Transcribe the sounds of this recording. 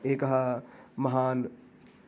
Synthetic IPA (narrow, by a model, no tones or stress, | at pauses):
eːkɐɦamɐɦaːn